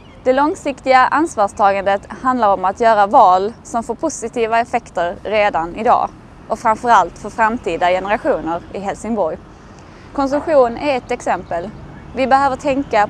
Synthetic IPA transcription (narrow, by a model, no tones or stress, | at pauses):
d̪̥ɛlɔŋsɪkt̪ɪɡaʔansvɑːʂt̪ʰɑːɡand̪ət̪hand̪laɾɔmat̪jœːɾavɑːlsɔmfoːɾpʰʊsɪt̪iːvaɛfɛkt̪əɾːeːd̪anɪd̪ɑ̰ː | ʔɔfɾamfœɾalt̪fœɾfɾamt̪ʰiːd̪ajɛnəɾaɧuːnəɾɪɦɛlsɪŋbɔɾj | kʰɔns̬ɵmɧuːnæɾɛt̪ɛksɛmpəl | vɪbɛɦøːvəʈʰɛŋka